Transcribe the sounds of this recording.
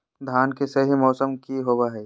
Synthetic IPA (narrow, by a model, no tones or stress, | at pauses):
d̪ʱaːnkesɐɦimɔːsəmkiɦobaɦɛː